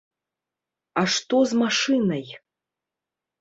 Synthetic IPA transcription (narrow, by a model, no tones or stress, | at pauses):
aʂt̪ozmaʂɨnɐj